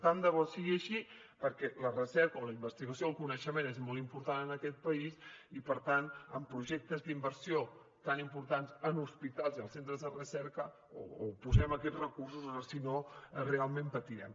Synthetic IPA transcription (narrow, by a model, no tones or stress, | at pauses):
t̪and̪əβɔsiɣiəʃi | pəɾkɛlərəsɛɾkəoləimbəst̪iɣəsijoːlˠkunəʃəmenezmolˠimpuɾt̪anənəkɛt̪̚pəisipəɾt̪anəmpɾuʒɛk̚t̪əzd̪imbəɾsio | t̪animpuɾt̪ansənuspit̪alˠziəlˠsent̪ɾəzðərəsɛɾkə | o̰ːpuzɛməkɛd͡zrəkursuzəsinorealˠmẽmpət̪iɾɛ̰m